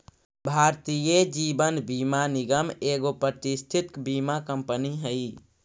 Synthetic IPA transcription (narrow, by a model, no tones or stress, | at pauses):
bʱaːɾt̪ijed͡ʒibənbiːmaniɡəmeːɡopɾət̪ist̪ʰit̪kbimakəmpəniɦəi